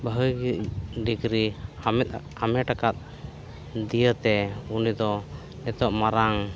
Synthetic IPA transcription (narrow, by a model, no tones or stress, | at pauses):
bəɦəjɡiɖiɡɾiɛt̪̚ | amɛʈakat̪̚ | d̪ijət̪ɛunid̪ɔ | nɛt̪ɔʔmaɾaŋ